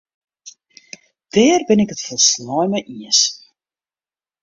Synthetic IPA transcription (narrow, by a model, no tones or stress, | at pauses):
d̥ɛːrbɪnɪkɦətfɔlˠsnɔjməʔiəs